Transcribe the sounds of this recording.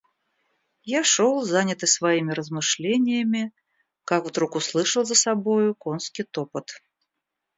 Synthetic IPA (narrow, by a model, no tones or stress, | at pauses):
jaʂolˠzanʲɪt̪ɨsvaimʲɪɾəzmɨʂlʲenʲɪjəmʲɪ | kakvd̪ɾukʊslˠɨʂəlˠzəsabojʊkonskʲit̪opɨt̪